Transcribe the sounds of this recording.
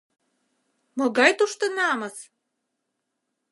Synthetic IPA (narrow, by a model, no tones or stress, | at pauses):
mŏɡɑjt̪uʃt̪ɤ̆nɑmɤs